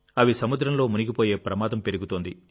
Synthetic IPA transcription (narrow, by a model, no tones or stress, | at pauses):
ɐʋisɐmud̪ɾɐmlo̞ːmuniɡipoːje̞ːpɾɐmaːd̪ɐmpe̞ɾuɡut̪oːnd̪i